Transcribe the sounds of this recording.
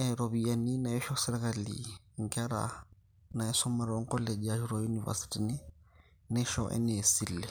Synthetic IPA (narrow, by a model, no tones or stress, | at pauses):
aɾobianinaɛʃɔsɛɾɛkalḭ | ŋ̩kɛɾa̰ | naɛsɔmaɾɔŋ̩kɔled͡ʒijaʒuɾojuniva̰si̥tinɪ | nɛʃɔʔɛ̰nɛesilːɛ